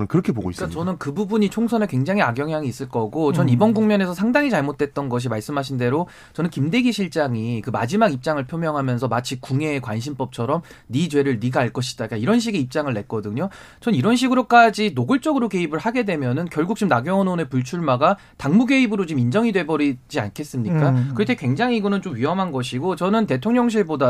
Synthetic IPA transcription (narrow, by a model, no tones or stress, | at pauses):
nɯnkɯɾʌkʰeboɡo̰is͈kat͡ɕʌnɯnkɯbubuɲit͡ɕʰoŋsʰʌnekwe̞ŋd͡ʑaŋiaɡjʌŋɦjaŋiːs͈ɯɭk͈ʌɡot͡ɕʌnibʌnɡuŋmʌne̞s̬ʰʌsʰaŋdaŋit͡ɕaɭmot͈̚ʰe̞t̚t͈ʌnɡʌɕ̬ʰimaɭs͈ɯmɦaɕ̬ʰinde̞ɾo | t͡ɕʌnɯnkimde̞ɡiɕʰiɭt͡ɕ͈aŋikɯma̰d͡ʑimaɡip̚t͡ɕ͈aŋɯɭpʰjomjʌŋɦamjʌnsʰʌmat͡ɕʰikuŋe̞ːkwanɕʰimp͈ʌp̚t͡ɕʰʌɾʌm | nit͡ɕwe̞ɾɯɭniɡaaɭk͈ʌɕʰi̥dak͈aiɾʌnɕ̬ʰiɡiip̚t͡ɕ͈aŋɯɭːe̞k̚k͈ʌdɯɲo | t͡ɕʌniɾʌnɕ̬ʰiɡɯɾok͈ad͡ʑinoɡɯɭt͡ɕ͈ʌɡɯɾoke̞ibɯɭhaɡe̞dwe̞mjʌnɯnkjʌɭɡuk̚t͡ɕ͈umnaɡjʌŋʌnone̞puɭt͡ɕʰuɭmaɡa | taŋmuɡe̞ibɯɾot͡ɕimind͡ʑʌŋidwe̞bʌɾid͡ʑia̰nkʰe̞s͈ɯmɲik͈akɯɾʌtʰekwe̞ŋd͡ʑaŋiɡɯnɯnt͡ɕomɥiɦʌmɦanɡʌɕʰiɡot͡ɕʌnɯnte̞tʰoŋɲʌŋɕ̬ʰiɭboda